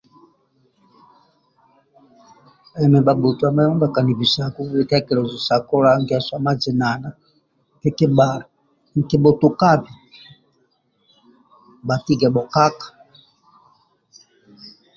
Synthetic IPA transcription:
ɛ˨mɛ˨ba˨bu˨tu˦a˨ma˦ɔ˦a˨ka˨ni˨vi˨sa˨ku˦i˨ka˦kɛ˨lɔ˨zu˨sa˨kɔ˦la˨˦ŋɡa˨swa˦ma˦d͡ʒi˨na˨na˦ | tɛ˨˦ki˦ɓa˨ | ŋ̩˨ki˨ɓɔ˨tu˨ka˦bi˨ | ba˨ti˦ɡɛ˨ɓɔ˨ka˦kḁ˨

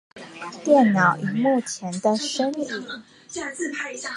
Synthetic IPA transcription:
t̪jɛ˥˩nnɑ˨˩˦ʊʔy˨˩mu˥˩t͡ɕʰjɛ˧˥nd̪ə˧ʂə˥ni˨˦

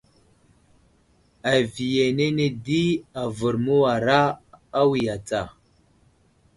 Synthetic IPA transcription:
a˨vi˨je˨ne˦ne˦di˦a˨və˨ɾmu˦wa˨ɾaː˦wi˨ja˨t͡sa˨

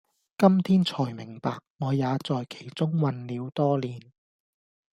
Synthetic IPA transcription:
kɐ˥mt̪ʰiː˥nt͡sʰɔː˨˩jmɪ˨˩ŋpaː˨k̚ŋɔː˨˧jaː˨˧t͡sɔː˨jkʰe˨˩jt͡sʊ˥ŋwɐ˨˧nliː˨˧wt̪ɔː˥liː˨n

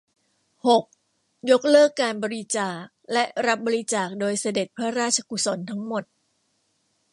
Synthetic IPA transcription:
ho˨˩k̚ | jo˦˥k̚lɤː˥˩kːaː˧nbɔː˧ɾi˦˥t͡ɕaː˨˩k̚lɛ˦˥ʔɾa˦˥p̚bɔː˧ɾi˦˥t͡ɕaː˨˩k̚doː˧jsa˧de˨˩t̪̚pʰɾa˦˥ɾaː˥˩t̚t͡ɕʰa˧ku˨˩so˩˦nt̪ʰa˦˥ŋmo˨˩t̪̚

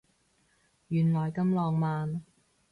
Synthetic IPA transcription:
jyː˨˩nlɔː˨˩jkɐ˧mlɔː˧ŋmaː˨˧n

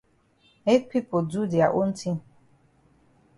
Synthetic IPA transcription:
me˦k̚pi˦po˨du˦di˨a˨ʔo˦n̩˦tʰi˦˨

